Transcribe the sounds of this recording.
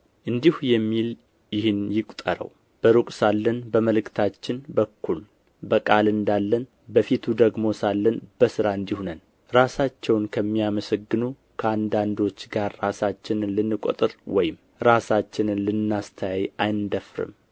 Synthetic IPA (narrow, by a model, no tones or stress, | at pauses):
ʔɨnd̪ihujɛmːil | jɪhɨnjɪkʷʼt̪ʼəɾə̰w | b̥əɾukʼsalːənbəməlɨkt̪ʰat͡ʃːɪnbəkʰːul | bəkʼalɨnd̪alːən | bəfit̪ʰud̪əɡmo̞salːənbəsɨɾaɨnd̪ihunən | ɾasat͡ʃːɛwnkʰəmːiaməsəɡːɨnu | kʰəand̪and̪o̞t͡ʃːɡaɾːasat͡ʃːɪnɨlɨnːɨkʷʼo̰t̪ʼɨɾwɔjɪm | ɾasat͡ʃːɪnɨnlɨnːast̪ʰəjajajɪnd̪əfɾɨ̰m